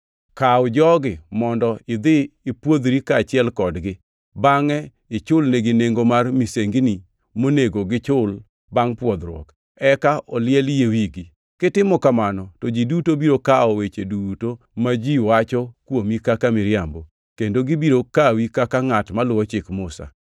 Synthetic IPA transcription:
kaɔd͡ʒɔɡɪmɔndɔɪd̪ɪːpwod̪ɾikaːt͡ʃɪɛlkɔdɡɪ | baŋɛ | ɪt͡ʃʊlneɡɪneŋɡomarmiseŋɡini | moneɡoɡɪt͡ʃʊl | baŋpwɔd̪ɾwɔ̰k | ɛkaʔɔlɪjɛljewiɡi | kɪtɪmɔkamanɔtɔd͡ʒidutobiɾokaɔwet͡ʃeduto | mad͡ʒiwat͡ʃɔkwomikakamɪɾjambo | kendoɡibiɾokawikakaŋatmalʊwɔt͡ʃɪkmʊsa̰

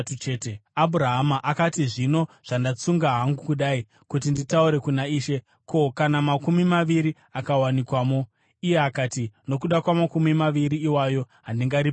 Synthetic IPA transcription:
t͡ʃeteabʱuɾaɦamaʔakatiʐino̞ʐ̥andat͡suŋɡaɦaŋɡukuɗai | kut̬inditauɾe̞kunaiːʃe̞ | ko̞kanamakumimaʋiɾi | akawanikwaːmo̞ | ije̞akaːtino̞kuɗakwamakumimaʋiɾiːwajo̞ | ɦandiŋɡaɾip

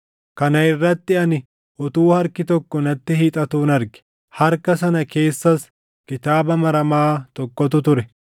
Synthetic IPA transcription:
kɐnɐɪrːɐt̪ːɪɐnɪ | ʔɔt̪uːhɐɾkɪt̪ɔkːɔnɐt̪ːɪhiːt̪ʼɐt̪uːnɐɾɡɪ̥ | hɐɾkɐsɐnɐke̞ːsːɐs | kɪt̪aːbɐmɐɾɐmaːt̪ɔkːɔt̪̬ʊt̪ʊɾɛ

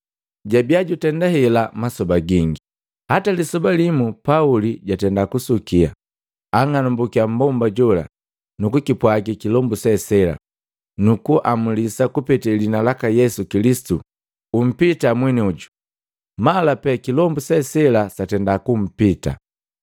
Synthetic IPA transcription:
ɟabiaɟutɛndahɛlamasɔbaɡiŋɡi | hatalisɔbalimupauliɟatɛndakusukia̰ | aŋanumbukiam̩bɔmbaɟɔla̰ | nukukipwaɡikilɔmbusɛsɛla̰ | nukuʔamulisakupɛtɛlinalakajɛsukilisi̥tu | um̩pitamwɛniuɟu | malapɛkilɔmbusɛsɛlasatɛndakum̩pita̰

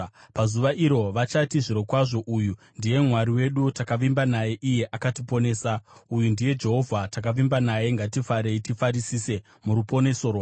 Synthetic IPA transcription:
pazuʋaʔiɾo̞ʋat͡ʃatiʐiɾo̞kwaʐo̞ʔuju | ndije̞mwaɾiwe̞ɗutakaʋimbanaje̞ʔije̞ʔakatipo̞ne̞ːsaujundije̞d͡ʒe̞ɦo̞vʱatakaʋimbanaje̞ŋɡatifaɾe̞itifaɾisise̞ | muɾupo̞ne̞so̞rwa

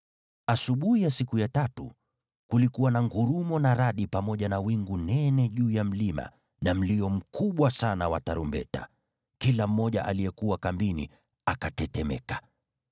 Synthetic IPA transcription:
asuɓuhijasikujatatṵ | kulikuwanaŋɡuɾumɔnaɾaɗipamɔʄanawiŋɡunɛnɛʄuːjam̩lima̰ | nam̩liɔm̩kuɓwasanawa̰taɾumbɛ̰ta̰ | kilam̩ːɔʄa̰ʔa̰lijɛkuwakambinḭ | akatɛtɛmɛ̰kḁ

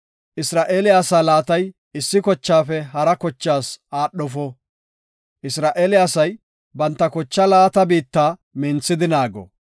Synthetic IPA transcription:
ʔɪsɾaːʔeːlɪjaːsaːlaːt̪ɐj | ɪsːɪkɔt͡ʃːaːfɛɦɐɾɐkɔt͡ʃːaːsaːɗɔfɔ | ʔɪsɾaːʔeːlɪaːsɐj | bɐnt̪ːɐkɔt͡ʃːɐlaːt̪ɐbiːt̪ːaːmɪnt͡sːɪd̪ɪnaːɡɔ̰

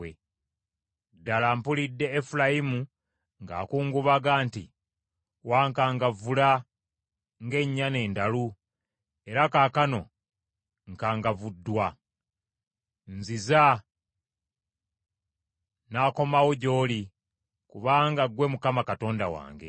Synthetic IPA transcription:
e | dːalampulidːe̞ːfulajimu | ŋɡa̰ːkuːŋɡuβaɡaːnti | waːŋkaːŋɡavula | ŋɡe̞ɲːane̞ːndalu | e̞ɾakaːkano̞ | ŋkaːŋɡavudːwa | nziza | naːko̞mawoɟo̞ːli | kuβaːŋɡaɡwe̞mukamakato̞ːndawa̰ːŋɡḛ

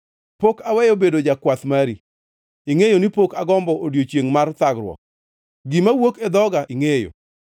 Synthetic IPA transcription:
pokawɛjobedod͡ʒakwat̪maɾi | ɪŋejonipokaɡɔmbɔʔodjot͡ʃjeŋmart̪aɡɾwɔ̰k̚ | ɡimawoked̪ɔɡaʔɪŋejo̰

